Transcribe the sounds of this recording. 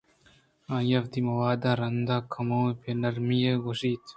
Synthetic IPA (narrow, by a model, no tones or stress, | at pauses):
ãːjɐfd̪imɐwaːd̪aːɾɐnd̪akʰɐmopenɐɾmijeɡoʂiːt̪